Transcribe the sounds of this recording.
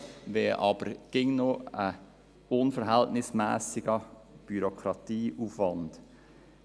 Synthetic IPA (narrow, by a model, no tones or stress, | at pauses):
ʋɛːʔɑ̰b̥əɾɡ̥ɪŋnoə | ʊnfəɾɦæltnɪsmæːsɪɡə | b̥yɾokʰɾɑtiːʔufʋɑnd̥